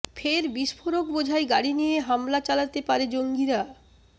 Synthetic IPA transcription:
fʰeɾbiʃfoɾok̚bod͡ʑʱaeɡaɽinijeɦamlat͡ɕalat̪epaɾed͡ʑoŋɡiɾa

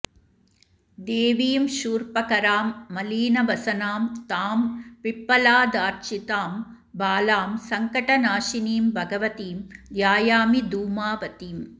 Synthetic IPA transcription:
d̪eːʋiːmʃuːɾpɐkɐɾaːmːɐliːnɐʋɐsɐnaːmt̪aːmʋipːɐlaːd̪aːɾt͡ʃit̪aːm | baːlaːmsɐŋkɐʈɐnaːʃiniːmbʱɐɡɐʋɐt̪iːmd̪jaːjaːmid̪uːmaːʋɐt̪iːm

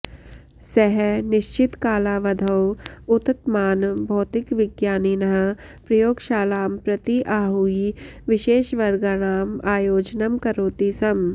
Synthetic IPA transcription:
sɛɦɛnɪʃt͡ʃɪt̪kaːlaːʋɐd̪ʱɐwʊt̪t̪maːnbʱɔːt̪ɪkʋɪɡjaːninɐɦɐpɾɐjoːɡʃaːlaːmpɾɐt̪iʔaːɦuiʋɪʃeːʃʋɐɾɡaɽ̃aːmaːjoːd͡ʒnɐmkɐɾoːt̪isɐm

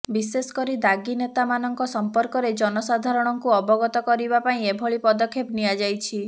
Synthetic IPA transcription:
bisesɔ̥kɔɾid̪aɡinet̪amanɔŋkɔsɔmpɔɾkɔɾed͡ʒɔnɔsad̪ʱaɾɔɽ̃ɔŋkuɔbɔɡɔt̪ɔkɔɾibapaĩebʱoɭipɔd̪ɔkʰːepniad͡ʒajt͡ʃʰi

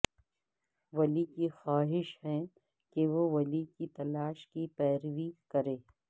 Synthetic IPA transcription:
ʋɐlikixaːɦɪʃɦɛ̃ | keʋoʋɐlikit̪ɐlaːʃkipɛːɾʋikɐɾeː

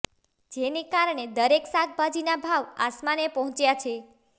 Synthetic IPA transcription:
d͡ʒenekaɾɳed̪əɾeksak̚ʰbʱad͡ʒinabʱaʋa̰smanepɔɦɔ̃t͡ʃjat͡ʃʰe

